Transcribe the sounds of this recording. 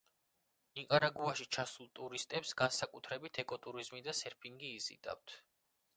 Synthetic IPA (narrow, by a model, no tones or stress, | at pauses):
iqʼaɾaɡuaʃit͡ʃʰasulˠt̪ʼuɾist̪ʼɛpsɡansakʼut̪ʰɾɛbit̪ʰɛkʼɔt̪ʼuɾizmid̪asɛɾpʰiŋɡiːzḭd̪ʼa̰wt̪ʰ